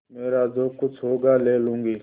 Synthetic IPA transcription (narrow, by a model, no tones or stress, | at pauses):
meːɾaːd͡ʒoːkʊt͡ʃʰɦoːɡaːleːlũːŋɡiː